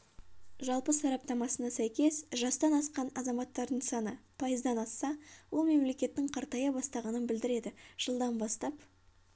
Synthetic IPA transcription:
ʒɑlˠpəsɑɾɑp̚t̪ɑmɑsənɑsæjkʲe̞sʒɑst̪ɑnɑsqɑnɑzɑmɑt̪ːɑɾd̪əɴsɑnəpʰɑjəzd̪ɑnɑsːɑwo̞lˠme̞mle̞kʲe̞t̪ːɪɴqʰɑɾt̪ɑjɑbɑst̪ɑʁɑnənbɪld̪ɪɾe̞d̪ɪʒ̥əlˠd̪ɑnbɑst̪ɑp

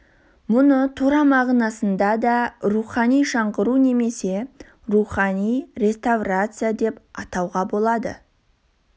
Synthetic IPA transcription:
mʊnət̪ʰuɾɑmɑʁnɑsənd̪ɑd̪ɑɾuχɑnijʃɑɴqəɾune̞me̞se̞ | ruχɑnijɾʲe̞st̪avrat̪sɨjad̪e̞pɑt̪ɑwʁɑbo̞lˠɑd̪ə̰

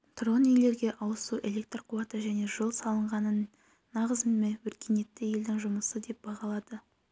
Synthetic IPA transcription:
t̪ro̞nile̞ɾɡʲe̞ʔɑwˠəsuʔe̞lʲe̞k̚t̪rqʰuɑt̪əʒæne̞ʒəlˠsɑlˠəɴʁɑnənː | ɑʁəzmewɵɾkʲene̞t̪ːɪje̞ld̪ɪŋʒʊməsəd̪e̞p̚bɑʁɑlˠɑd̪̥ə

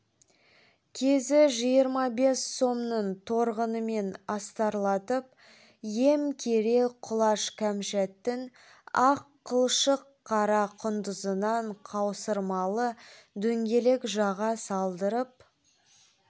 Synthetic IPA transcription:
kʲʰe̞zɪʒijəɾmɑbe̞sːo̞mnəɴt̪ʰo̞ɾʁənəme̞nɑst̪ɑɾlˠɑt̪əp̚ | je̞mkʲʰe̞ɾe̞qʰʊlˠɑʃkʲʰæmʃæt̪ːɪn | ɑqʰːəlˠʃəqʰːɑɾɑqʰʊnd̪əzənɑɴqʰɑwsəɾmɑlˠəd̪ɵŋɡʲe̞le̞kʒɑʁɑsɑlˠd̪əɾəp̚

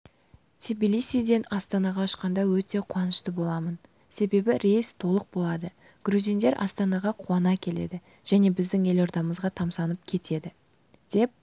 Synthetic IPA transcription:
t̪ʲʰibilijsijd̪e̞nɑst̪ɑnɑʁɑʊʃqɑnd̪ɑwɵt̪e̞qʰuwɑnəʃt̪əbo̞lˠɑmən | se̞be̞bɪɾe̞st̪ʰo̞lˠəq̚bo̞lˠɑd̪ə | ɡ̥ɾuzijnd̪eɾʔɑ̰st̪ɑnɑʁɑqʰuɑnɑkʲʰe̞le̞d̪ɪ | ʒ̥æne̞bɪzd̪ɪŋe̞lo̞ɾd̪ɑməzʁɑt̪ʰɑmsɑnəp̚kʲʰe̞t̪ʰe̞d̪ɪ | d̪̥e̞p̚

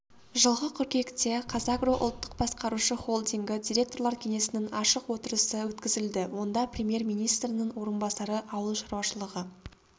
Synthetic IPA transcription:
ʒəlˠʁəqʲʰʏɾkʲe̞kt̪e̞qʰɑzɑɡroʔʊ̰lˠt̪ːə̥q̚bɑsqɑɾuʃəχo̞lˠd̪iŋɡʲɪd̪ʲijɾʲe̞k̚t̪o̞rlˠɑɾkʲʰe̞ŋe̞sɪnɪŋɑʃəqwo̞t̪əɾəsəwɵt̪kʲɪzɪld̪ɪwo̞nd̪ɑprʲemʲje̞rmʲijnijst̪ɾɪnɪŋwo̞ɾənbɑsɑɾəʔɑwəlˠʃɑɾwɑʃəlˠəʁə

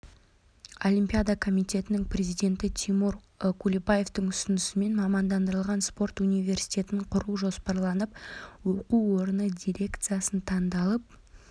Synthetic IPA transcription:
o̞lʲimʲpʲijad̪ɑkʰo̞mijt̪ʲe̞t̪ɪnɪŋprʲe̞zijd̪ʲe̞nt̪ɪt̪ʲʰimuɾ | kʰulʲibaje̞ft̪əŋʏsʏnɪsɪme̞nmɑmɑnd̪ɑnd̪əɾəlˠʁɑnspo̞rt̪unijvʲe̞rsijtʲe̞t̪ɪɴqʰʊɾuʒo̞spɑɾlˠɑnəp̚wo̞quwo̞ɾənəd̪ʲijɾʲe̞kt̪sɨjasənt̪ʰɑnd̪ɑlˠəp̚

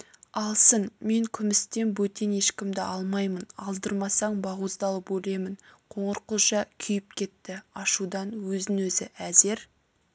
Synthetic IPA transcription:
ɑlˠsənme̞ŋkʲʰʏmɪst̪e̞nbɵt̪ene̞ʃkʲɪmd̪ɪʔɑlˠmɑjmənɑ̰lˠd̪əɾmɑsɑɴbɑʁuzd̪ɑlˠəpwɵle̞mɪnqʰo̞ɴəɾqəlˠʃɑkʲʰʏjɪp̚kʲʰe̞t̪ːɪɑʃud̪ɑnwɵzɪnwɵzɪʔæze̞ɾ

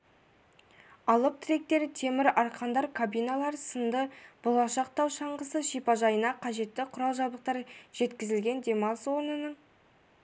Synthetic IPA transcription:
ɑlˠəp̚t̪ʰɪɾe̞k̚t̪e̞ɾɪt̪ʰe̞mɪɾɑɾqʰɑnd̪ɑɾkʰabijnalˠɑɾsənd̪əb̥olˠɑʃɑq̚t̪ɑwʃɑɴʁəsəʃijpɑʒɑjənɑqʰɑʒe̞t̪ːɪqʰʊɾɑlˠʒɑb̪əqt̪ɑɾʒ̥e̞t̪kʲɪzɪlɡʲe̞nd̪ʲe̞mɑnswo̞ɾnənəɴ

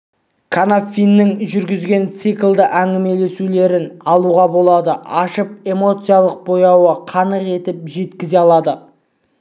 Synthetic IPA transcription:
kʰanafʲinːɪŋʒʏɾɡʲɪzɡʲe̞nt̪sɨklˠd̪əʔæŋɡʲɪme̞le̞sule̞ɾɪnɑlˠuʁɑbo̞lˠɑd̪əʔɑʃəp̚e̞mo̞t̪sɨjalˠəq̚bo̞jɑwəqʰɑnəqe̞t̪ɪp̚ʒe̞t̪kʲɪze̞ɑlˠɑd̪ə

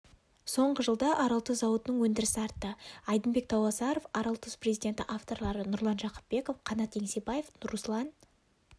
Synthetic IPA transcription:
so̞ɴʁəʒəlˠd̪ɑʔɑɾɑlˠt̪əszɑwət̪ənəŋwɵnd̪ɪɾɪsɪɑɾt̪ːəɑjd̪ənbe̞k̚t̪ʰɑwɑsɑɾofɑɾɑlˠt̪əsprezijd̪ʲe̞nt̪ɪʔaft̪o̞ɾlˠɑɾənʊɾlˠɑnʒɑqə̥p̚be̞ko̞fqʰɑnɑt̪ːe̞ŋse̞baje̞fnʊɾuslˠɑn

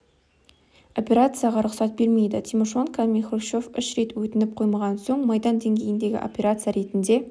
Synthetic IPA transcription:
o̞pʲe̞ɾat̪sɨjaʁɑɾʊqsɑt̪̚be̞ɾme̞jd̪ɪt̪ʰʲimoʃonkʰamʲiχoʃo̞fʏʃɾe̞t̪wɵt̪ɪnɪp̚qʰo̞jmɑʁɑnso̞ɴmɑjd̪ɑnd̪e̞ŋɡʲe̞jɪnd̪e̞ɡʲɪ̰ʔo̞̰pʲe̞ɾat̪sɨjaɾe̞t̪ɪnd̪e̞

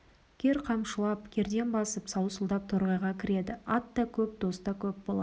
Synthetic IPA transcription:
kʲʰe̞ɾqʰɑmʃəlˠɑpkʲʰe̞ɾd̪e̞nbɑsəpsɑwsəlˠd̪ɑp̚t̪ʰoɾʁɑjʁɑkʲʰɪɾe̞d̪ɪɑt̪ːɑkʲʰɵp̚d̪o̞st̪ɑkʲʰɵp̚bolˠɑ

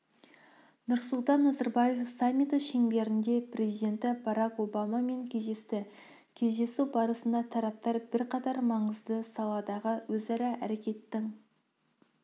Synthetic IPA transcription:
nʊɾsʊlˠt̪ɑnːɑzɑɾbɑje̞fsɑmʲit̪əʃeŋbe̞ɾɪnd̪e̞prʲʔe̞zijd̪e̞nt̪ɪbɑɾɑko̞bɑmɑme̞ŋkʲʰe̞zd̪e̞st̪ɪ | kʲʰe̞zd̪e̞suwbɑɾəsənd̪ɑt̪ʰɑɾɑp̚t̪ɑɾbɪɾqɑt̪ɑɾmɑɴəzd̪əsɑlˠɑd̪ɑʁəwɵzɑɾɑʔæɾe̞kʲe̞t̪ːɪŋ

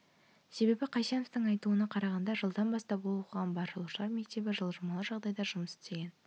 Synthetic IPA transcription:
se̞be̞bɪqʰɑjʃenoft̪əŋɑjt̪uənɑqʰɑɾɑʁɑnd̪ɑʒəlˠd̪ɑnbɑst̪ɑpbolˠuq̪ʰʁɑnbɑɾlˠuʃəlˠɑɾme̞k̚t̪e̞bɪʒəlˠʒəmɑlˠəʒɑʁd̪ɑjd̪ɑʒʊməsɪ̥t̪eɡʲe̞n

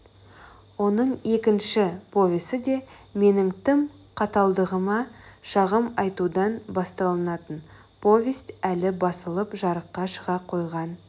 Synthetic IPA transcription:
wo̞nəɴe̞kʲɪnʃɪpʰo̞vʲest̪ɪd̪e̞me̞nɪŋt̪ʰɪmqʰɑt̪ɑlˠd̪əʁəmɑʃɑʁəmɑjt̪ud̪ɑnbɑst̪ɑlˠənɑt̪ən | pʰo̞vʲest̪ælɪbɑsəlˠəpʒɑɾəqːɑʃəʁɑqʰo̞jʁɑn

